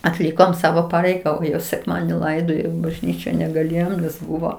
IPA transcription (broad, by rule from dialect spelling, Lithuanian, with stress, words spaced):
ɐtʲˈlʲɪkoːm ˈsɑːʋoː ˈpɑːrʲɛɪɡɐ sʲɛkˈmɑːdʲiɛnʲɪ ˈlˠɐɪdoːjoː ɪ bɐʒʲˈnʲiːt͡ʃʲɛ nʲɛɡɐˈlʲeːjoːm nʲɛs ˈbʊʋoː